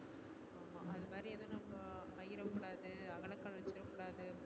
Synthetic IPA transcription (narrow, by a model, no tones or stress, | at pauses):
aːmaʔɐðɯmaːɾiɛðõːnɐmɡɐpɐjɪɾɐkːʊɽaːðɯɐɣɐɭɐkːɐɭʋɐt͡ʃːɪɾɐkːʊɽaːðɯ